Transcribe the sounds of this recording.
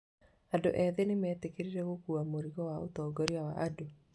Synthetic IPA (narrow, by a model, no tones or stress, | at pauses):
ado̰ʔɛðenemɛːtekeɾiɾɛɣokuamoɾiɣɔwaotɔːɡɔɾiawaʔado